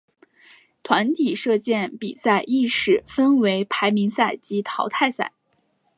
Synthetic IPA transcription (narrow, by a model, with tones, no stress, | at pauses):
t̪ʰwa˧˥nt̪ʰi˨˩ʂɤ˥˧t͡ɕjɛ˥˩npḭ˨˩sa˥˧ɪʔi˥˩ʂɻ̩˥˩fə˥nwe˧˥ɪpʰa˧˥ɪmi˧˥ŋsa˥˩ɪt͡ɕi˧˥t̪ʰɑ˧˥ʊt̪ʰa˥˧ɪsa̰˥˩ɪ